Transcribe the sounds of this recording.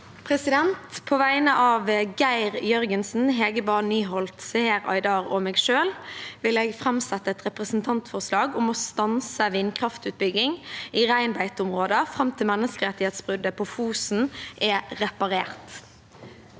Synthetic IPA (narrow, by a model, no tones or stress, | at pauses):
pʰʁɛsɪd̪ɛnt̪pʰoːʋæɪnəʔɑːʋɡæɪʁjœʁɡənsn̩ɦeːɡəbɑnnyːɦɔlt̪sɛheːɾɑ̰ɪd̪ɑːʁɔmɛːɡʃøːlʋɪleːɡfʁɑmsɛt̪ːəɛt̪ʁɛpʁɛsn̩t̪ʰɑnt̪fɔʁslɑːɡʊmɔst̪ɑnsəʋɪnkʰʁɑft̪ʉːt̪̚bʏɡɪŋiːʁæɪnbæɪt̪ʊmʁoːd̪əfʁɑmt̪ʰɪlmɛnːəskəʁɛt̪ɪheːt̪sb̥ʁʉd̪əpʰɔfuːsn̩ʔɛʁɛpɑʁeːʁt̪